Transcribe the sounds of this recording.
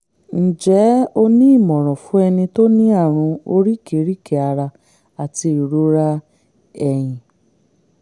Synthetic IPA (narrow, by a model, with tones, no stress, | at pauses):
n̩˨d͡ʒɛ˨˦o˧nĩ˦i˦˨mɔ̃˨ɾ̃ɔ̃˨fũ˨˦ɛ˧nĩ˧to˦nĩ˦a˦˨ɾ̃ũ˧o˧ɾi˦ke˨˦ɾi˦ke˨a˧ɾa˧ | a˨ti˧i˨ɾo˦ɾa˦ | ɛ˦˨j̃ĩ˨